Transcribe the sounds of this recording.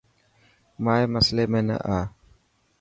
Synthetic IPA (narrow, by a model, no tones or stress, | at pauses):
maːeːməsleːmẽːnə̰ʔaː